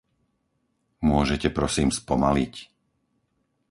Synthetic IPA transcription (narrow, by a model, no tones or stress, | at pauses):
mʊɔʒɛcɛpɾɔsiːmspɔmalic